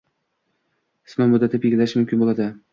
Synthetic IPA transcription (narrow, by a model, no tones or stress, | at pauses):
ɪ̥smamʊd̪ːat̪ʰɪpjeɡʲɪlaʃmʊmkʲɪnbolˠad̪ɪ